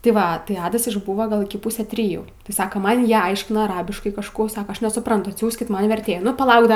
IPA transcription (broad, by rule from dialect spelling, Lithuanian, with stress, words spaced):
tʲɪ ˈʋɐ tɐɪ ˈɑːdɐs ɪʒˈbuːʋɐ ˈɡɐlˠ ɪkʲɪ ˈpʊsʲæː tʲrʲɪˈjuː tʲɪ ˈsɑːkɐ ˈmɐn ˈjiɛ ˈɐɪʃʲkʲɪnɐ ɐˈrɑːbʲɪʃkɐɪ kɐʃˈkuː ˈsɑːkɐ ˈɐʃ nʲɛsʊˈprɐntʊ ɐtʲˈsʲuːsʲkʲɪt ˈmɐn ʋʲɛrʲˈtʲeːjʊ nʊ pɐˈlˠɐʊk ˈdɐ